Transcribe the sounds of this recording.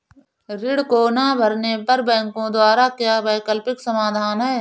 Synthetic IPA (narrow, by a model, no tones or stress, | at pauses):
ɾɪɽkonabʱɐɾnepɐɾbɛ̃ːŋkõd̪waːɾakjaːbɛːkəlpɪksɐmaːd̪ʱaːnɦɛː